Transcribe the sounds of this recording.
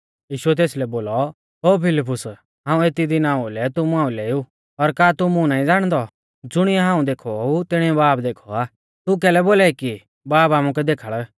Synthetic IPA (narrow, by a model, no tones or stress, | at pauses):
jiːʃuɛt̪eːslɛboːlɔ | ɦoːpʰɪlɪp̬ʊs | ɦãːũeːt̪id̪ɪnaːulɛt̪ʊmuɦãːũleːu | ɔɾkaːt̪ʊmũnaːĩd͡zaːɽ̃d̪ɔ | d͡zʊɽ̃ɪjaɦãːũd̪eːkʰɔut̪ɪɽ̃iɛbaːpd̪eːkʰɔ̰aː | t̪uk̬ɛːlɛboːlaːiki | baːpaːmukɛd̪eːkʰəɭ